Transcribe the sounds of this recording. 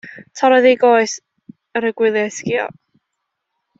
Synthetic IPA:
tʰɔɾɔðiɡoɨs | əɾəɡwɪlˠjɛskiɔ̰

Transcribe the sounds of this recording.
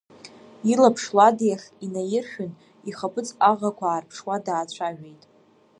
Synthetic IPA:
ilapʰʂladjaχʲinajɪrχʲᶣʏn | iχapʰʼɨt͡sʰʼaʁakʷʰaːrpʰʂwadaːt͡ɕʷʰaʒᶣejtʼ

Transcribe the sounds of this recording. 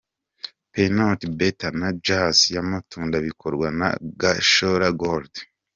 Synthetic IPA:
penotbetanad͡ʒasjamatʰuːndaβikʰoɾɡwana̰ɡaʃoɾaɡoɾd

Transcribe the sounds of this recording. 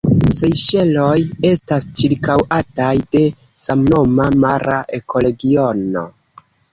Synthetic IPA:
se̞jʃe̞lo̞je̞stast͡ʃiɾkawatajde̞ | samno̞mamaɾaʔe̞kʰo̞le̞ɡio̞no̞̰

